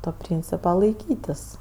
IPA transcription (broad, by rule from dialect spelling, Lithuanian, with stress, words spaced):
toː ˈpʲrʲiːnʲt͡sʲɪpɐ lˠɐɪˈkʲiːtʲɪs